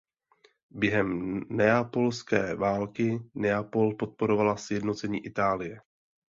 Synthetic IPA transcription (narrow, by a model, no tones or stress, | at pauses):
bjɛɦɛmnɛapo̞lskɛːvaːlkɪnɛapo̞lpo̞t̪̚po̞ɾo̞valasjɛdno̞t͡sɛɲiːʔɪt̪aːlɪjɛ